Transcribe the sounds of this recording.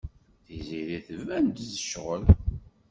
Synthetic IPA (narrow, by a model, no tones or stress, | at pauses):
θiziɾiθəvænd̪zəʃʁəl